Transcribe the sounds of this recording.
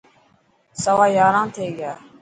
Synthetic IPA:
səʋaːjaːɾãːnt̪ʰeːɡɪjaː

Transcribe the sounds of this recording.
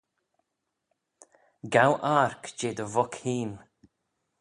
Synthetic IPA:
ɡawʔaɹkd͡ʒeːd̪əvɔkhiːn

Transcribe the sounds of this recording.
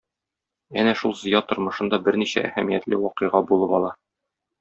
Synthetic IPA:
ænæʃulˠzɤ̆jɑt̪ŏɾmɤ̆ʃɤ̆nd̪ɑbɘɾniɕæ̰ʔæ̰hæmijæt̪lɘwɒqɤ̆ʁɑbulˠɤpɒlˠɑ

